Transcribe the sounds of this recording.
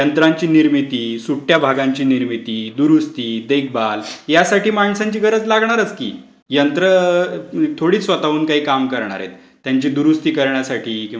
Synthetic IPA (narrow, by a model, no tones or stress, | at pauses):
jənt̪ɾaɲt͡ɕiːniɾmit̪iːsuʈːjabʱaɡãɲt͡ɕiːniɾmit̪iːd̪uɾust̪iːd̪ek̚ʰbaljasaʈiːmaɳsaɲt͡ɕiːɡʱəɾət͡slaɡɳaɾət͡skḭː | jənt̪ɾə | t̪ʰoɽiːt͡sʋət̪aʋuːnkaɦiːkamkəɾɳ̃a̰ɾjḛt̪ːjaɲt͡ɕiːd̪uɾust̪iːkəɾɳjasaʈʰiːkĩ